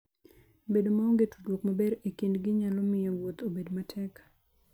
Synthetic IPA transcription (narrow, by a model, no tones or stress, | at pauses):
bedomaoŋɡetu̥dwokmabeɾekindɡɪɲalɔmɪjɔwot̪obedmatʰɛk